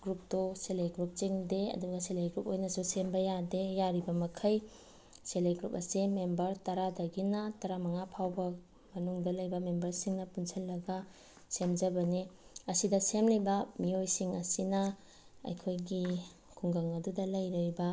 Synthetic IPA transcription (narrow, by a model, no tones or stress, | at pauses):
ɡɾup̚doselejɡɾup̚t͡ʃeŋdeɐ̰duɡɐselejɡɾupojnɐsusembɐjadejaɾibɐmɐkʰɐj | seleɡɾupɐsimembɐɾtɐɾadɐɡinɐtɐɾamɐŋapʰawbɐ | mɐnuŋdɐlɐjbɐmembɐɾsiŋnɐpunsɐlːɐɡɐ | semd͡ʒɐbɐniɐsidɐsemlɐjbɐmiojsiŋɐ̰sinɐ | ɐ̰jkʰojɡi | kʰuŋɡɐŋɐdudɐlɐjɾɐjbɐ